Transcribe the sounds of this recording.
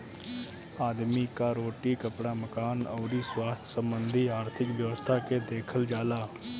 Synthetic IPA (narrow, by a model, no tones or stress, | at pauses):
aːd̪miːkaːɾoːʈiːkəpɽaːməkaːnɔːɾiːswaːst̪ʰsəmbənd̪ʱiːaːɾt̪ʰɪkʋjəʋəst̪ʰaːkeːd̪eːkʰəld͡ʒaːlaː